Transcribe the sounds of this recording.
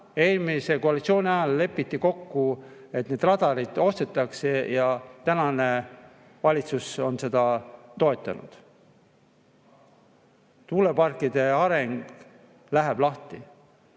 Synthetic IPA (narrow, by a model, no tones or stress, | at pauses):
e̞ːlmise̞ko̞ɑlit̪sio̞ːnʲiɑjɑlle̞pːˑit̪ːiko̞kːue̞t̪ne̞d̪rɑd̪̥ɑɾid̪̥o̞st̪e̞t̪ːˑɑksejɑt̪ænɑne̞ | vɑlʲit̪suso̞nse̞d̪̥ɑt̪o̞e̞t̪ˑːɑ̰nṵd̪̥ | t̪uːle̞pɑrkːˑid̪̥e̞ɑɾe̞ŋɡ̥ | læɦeb̥lɑht̪i